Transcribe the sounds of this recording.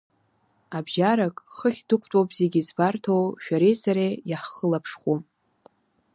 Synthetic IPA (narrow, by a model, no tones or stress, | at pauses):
abʒaɾakʼχəχʲdɨkʷʰʼtʼopʼzeɡʲizbartʰowʃᶣaɾejsaɾejaħχəlapʰʂχʷu